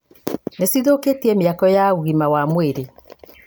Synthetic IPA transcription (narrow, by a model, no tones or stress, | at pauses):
nesiðoːketiɛmeakɔjauɣimawamweɾe